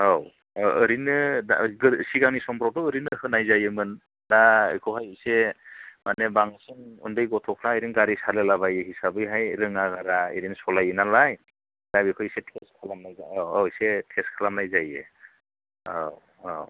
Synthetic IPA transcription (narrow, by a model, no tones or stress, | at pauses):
aw | ɯɾinɯda̰ɡɯsiɡaŋnisɔmpʰɾɔwtɔːɾinɯhɯnajzajɯmɯn | daɯ̰jkʰɯwɦajɯsemanebaŋasɯŋṵndɯjɡɔtʰɔkʰɾaeɾiŋɡaɾisalelabajɯɦisabɯjɦajɾɯŋaɡaɾaḭɾinsɔlajɯnalaj | d̥abikʰɯjsetʰeskʰalamnajaawsetʰeskʰalamnajzajḛ | a̰w | aw